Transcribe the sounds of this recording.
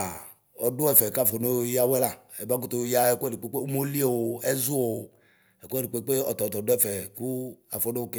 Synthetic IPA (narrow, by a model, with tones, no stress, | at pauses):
a˨ | ɔ˨do˦ɛ˦˨fɛ˨ka˦˨fɔ˨no˦ja˦wɛ˦la˨ɛ˨ba˦k̬u˦t̪o˨˦ja˦ɛ˦˨kɛ˦di˨k͡pe˦k͡pe˦u˦mo˦li˦e˦˨wo˨ɛ˦zu˦o˨ | ɛ˨ku˦ɛ˦di˨k͡pe˦k͡pe˦ɔ̰˨t̪ɔ˨t̪ɔ˨do˦ɛ˦˨fɛ˨ku˦a̰˨fɔ˨no˦o˦ke˦